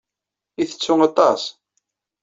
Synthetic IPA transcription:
iθə̥t͡sːʊŋɑt̪ˤɑs

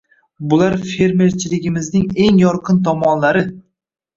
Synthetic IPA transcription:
bʊlaɾfe̞ɾme̞ɾt͡ʃʰɪlɪɡʲɪmɪznɪŋe̞ŋjɒɾqʰɨnt̪ʰɒmɒnlaɾɪ

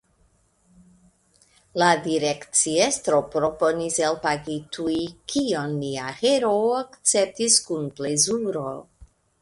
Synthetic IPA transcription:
ladiɾekt͡siestɾo̞pɾo̞po̞niselpaɡitʰujkʰionːiaheɾoakt͡sep̚tiskunplezuɾo

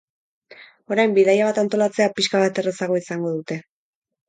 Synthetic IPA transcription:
o̞ɾajmbiðajaβ̞at̪ant̪o̞lat͡se̞apiʃkaβat̪e̞resaɣo̞isaŋɡo̞ðut̪e̞

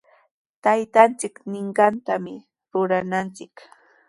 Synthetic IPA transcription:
t̪ajt̪ant͡sɪknɪɴɢɑnt̪amɪ | ɾʊɾanant͡sɪk

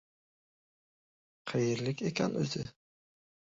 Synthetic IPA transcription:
qʰejɪɾlɪkʲekʰʲanɵ̰zɪ

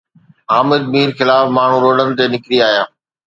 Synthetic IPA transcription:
aːmɪd̪̚miːɾxɪlaːfmaːɳ̤ũɾoːɖənɪ̆t̪eːnɪkɾiaːɦjaː

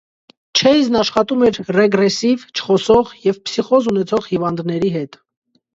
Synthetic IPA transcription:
t͡ʃʰɛjznɑʃχɑt̪umɛɾrɛɡɾɛsivt͡ʃʰə̥χɔsɔʁjɛvpsiχɔzunɛt͡sʰɔʁhivɑnd̪nɛɾiɦɛt̪

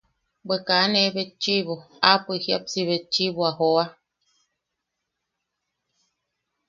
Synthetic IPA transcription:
bəkaneβet̚t͡ʃiβo | apɨhja̰psiβet̚t͡ʃiβoahoa

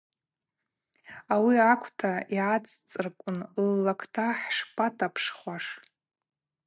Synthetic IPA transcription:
awiakʷʰtʰaiʕat͡sʼt͡sʼɨrkʷʼʊnlːakʰtʰaħʂpʰʼatʰapʰʂχʷaʂ

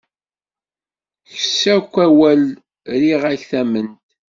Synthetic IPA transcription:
çsækʷːæwæl | ɾiʁæçθæmənt̪

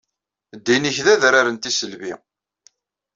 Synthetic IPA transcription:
d̪ːiniçðæðɾaɾənt̪isəlvḭ

